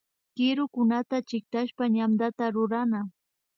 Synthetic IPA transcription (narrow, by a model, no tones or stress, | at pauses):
kɪɾʊkʊnat̪at͡ʃɪk̚t̪aʃpaɲamd̪at̪aɾʊɾana